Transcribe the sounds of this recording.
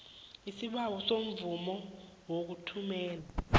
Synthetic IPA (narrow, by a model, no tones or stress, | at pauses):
isiɓawɔsom̩vumɔwok̬utʰumɛːla